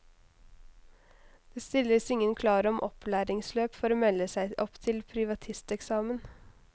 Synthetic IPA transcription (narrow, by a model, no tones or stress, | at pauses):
d̪̥eːst̪ɪlːəsɪŋːənkʰlɑːɾəɔmʔɔ̰plæːɾɪŋsløːpfɔɾoːmɛlːəsæɪʔɔpt̪ʰɪlpʰɾɪʋɑt̪ʰɪst̪ɛksɑːmən